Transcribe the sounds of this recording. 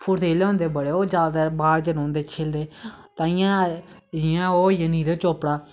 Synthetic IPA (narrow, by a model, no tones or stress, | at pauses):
pʰʊɾt̪ʰeːleõːnd̪eːbəɽeːoːd͡ʒaːd̪aːbaːɽd͡ʒənõːnd̪eːkʰeːld̪eː | t̪ãːɪjãː | ɪjãːoːjəniːɾeːt͡ʃoːpɽaː